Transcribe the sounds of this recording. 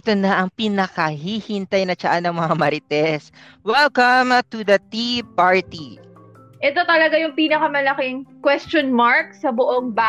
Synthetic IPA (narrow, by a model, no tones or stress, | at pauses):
ɛt̪onɐʔɐŋpinɐkɐɦihint̪ajnɐt͡ʃɐʔanɐŋmɐŋamɐɾɪt̪ɛs | wɛlkɐmt̪ud̪ɐt̪ipaɹt̪i | ʔɛt̪o̞t̪ɐlɐɡajʊŋpiːnɐkɐmɐlɐkɪŋkwɛst͡ʃonmaɹk̚sɐbʊʔoŋba